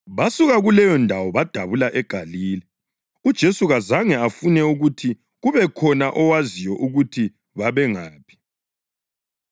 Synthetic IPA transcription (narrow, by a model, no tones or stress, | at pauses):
βasuɣaɣulɛjɔndʱawɔβad̥ʱaβulaʔɛɡ̥ʱaliːlɛ | ud̥ʒ̥ʱesuɣazaŋɛafunɛuɣutʰi | ɣuβɛkʰɔnaʔɔwazijɔʔuɣutʰi | βaβɛŋaːpʰi̥